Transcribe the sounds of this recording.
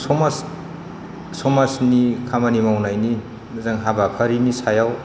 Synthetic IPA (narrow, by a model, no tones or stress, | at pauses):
sɔmas | sɔmasnikʰamanimawnajni | zaŋɦabakʰaɾinisajaw